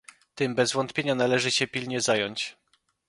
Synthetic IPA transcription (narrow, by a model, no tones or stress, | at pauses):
t̪ɘmbɛzvɔnt̪pʲjeɲanalɛʐɘɕɛpʲilɲɛzajɔɲt͡ɕ